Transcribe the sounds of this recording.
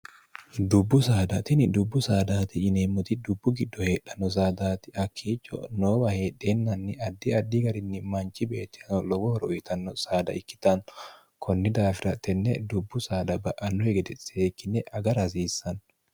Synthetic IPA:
d̪ʊbːʊsaːd̪ɐt̪ɪnɪd̪ʊbːʊsaːd̪aːt̪ɪːneːmːʊt̪ɪd̪ʊbːʊɡɪd̪ːɔhe̞ːᶑːɐnːɔs̬aːd̪aːt̪ɪɐkʰːiːt͡ʃʼːɔ̰noːbɐhe̞ːɗːeːnːɐnːɪɐd̪ːiɐd̪ːiɡɐɾɪnːɪmɐnt͡ʃːɪbe̞ːt̪ːɪ̥ɐnɔlɔwɔhɔɾɔɔjɪt̪ɐnːɔsaːd̪ɐ̰ɪkːɪ̥t̪ɐn | kʰɔnːɪd̪aːfɪɾɐt̪ːɛnːɛ̰d̪ʊbːʊsaːd̪ɐbɐʔɐnːɔhɛɡɛd̪ɛseːkːɪnːɛʔɐɡɐɾɐs̬iːsːɐn

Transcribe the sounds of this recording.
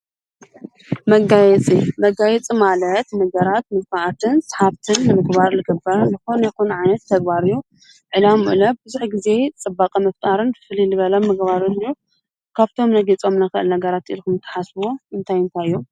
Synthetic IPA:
mɐɡajɛt͡sʼimɐɡajɛt͡sʼimalɐt̪nɐɡɐɾat̪mɨsfaʕat̪ʰɨnsħaβt̪ʰɨnːɨmɨɡbaɾlɨɡɨbːɐɾɐnɨxonɛxunʕajnɐt̪ʰːɐɡ̚baɾɨjːu | ʕɨlamṵʔlɐb̚bɨzuħɡize̞t͡sʼɨbːakʼɐmɐft̪ʼaɾɨnɨfɨlilɨβɐlɐmːɨɡbaɾɨnɨjːu | kʰaβt̪ʰo̞mnɐɡit͡sʼo̞mnɐxɨʔɨ̰lnɐɡɐɾat̪ḭlkɨmɨt̪ʰːḁħasbo̞ɨnt̪ʰajɨnt̪ʰajɨjːom

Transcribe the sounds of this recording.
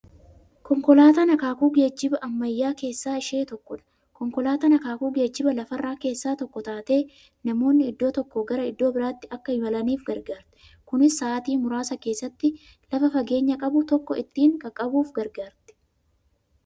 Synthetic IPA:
kɔŋkɔlaːt̪ɐnɐkaːkuːɡe̞ːd͡ʒːɪbɐʔɐmːɐjːaːke̞ːsːaːɪʃe̞ːt̪ɔkːɔᶑɐ̥ | kɔŋkɔlaːt̪ɐnɐkaːkuːɡe̞ːd͡ʒːɪbɐlɐfɐrːaːke̞ːsːaːt̪ɔkːɔt̪aːt̪e̞ː | nɐmo̞ːnːɪɪd̪ːo̞ːt̪ɔkːɔɡɐɾɐɪd̪ːo̞ːbɪɾaːt̪ːɪɐkːɐɪmɐlɐniːfɡɐɾɡaːɾt̪ɛ̥ | kʊnɪsːaːt̪iːmʊɾaːsɐke̞ːsːɐt̪ːɪ | lɐfɐfɐɡe̞ːɲːɐkʼɐbʊt̪ɔkːɔɪt̪ːiːŋkɐkʼɐbuːfɡɐɾɡaːɾt̪ɛ̥

